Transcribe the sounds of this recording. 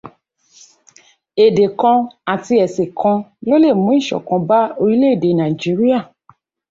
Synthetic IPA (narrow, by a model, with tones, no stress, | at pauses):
e˨de˨kɔ̃˧a˨ti˧ɛ˨se˨kʰɔ̃˧lo˦le˦˨mũ˨˦i˦˨ʃɔ̰˨kɔ̃˧ba˦o˧ɾi˦le˦e˦˨de˨˦nã˨i˨d͡ʒi˨˦ɾi˦a˦˨